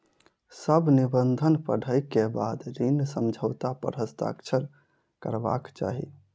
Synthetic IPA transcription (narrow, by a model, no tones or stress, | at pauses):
səbnibənd̪ʱənpəɽ̤ʱəjkebad̪ɾinsəmd͡ʒʱəʊt̪apə̰ɾəst̪a̰ksʰəɾ | kəɾba̰kt͡ʃa̰ɦḭ